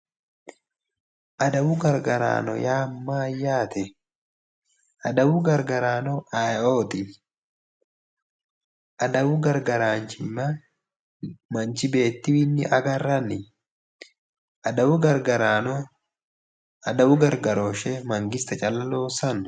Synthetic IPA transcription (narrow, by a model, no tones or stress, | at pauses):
ʔɐd̪ɐwʊɡɐɾɡɐɾa̰ːnɔ̰jaːmːaːjːaːt̪ɛ | ʔɐd̪ɐwʊɡɐɾɡɐɾaːnɔajoːt̪ɪ | ʔɐd̪ɐwʊɡɐɾɡɐɾaːnt͡ʃɪnːɐ | mɐnt͡ʃɪbe̞ːt̪ːɪwɪnːɪʔɐɡɐrːɐnːɪ | ʔɐd̪ɐwʊɡɐɾɡɐɾa | ɐd̪ɐwʊɡɐɾɡɐɾoːʃɛmɐŋɡɪst̪ɐt͡ʃʼɐlːɐlo̞ːsɐn